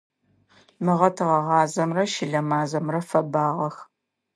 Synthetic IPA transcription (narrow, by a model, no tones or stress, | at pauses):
mɨʁɐtʰɨʁɐʁɑːzɐmrɐʃɪɮɐmaːzɐmrɐfɐbaːʁɐx